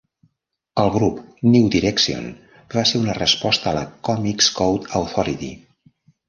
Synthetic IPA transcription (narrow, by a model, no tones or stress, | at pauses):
əlˠɣɾupniwd̪iɾɛksio̰n | baseɾunərəspɔst̪əːlə̰kɔmikskowt̪əwt̪ɔɾit̪ḭ